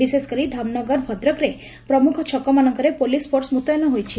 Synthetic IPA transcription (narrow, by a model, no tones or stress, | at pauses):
iseskəɾid̪ʱamnɔɡəɾbʱɔd̪ɾɔkɾe | pɾɔmukʰɔt͡ʃʰɔkɔmanɔŋkɔɾepolispʰoʈsmut̪ɔjnɔɦojt͡ʃʰi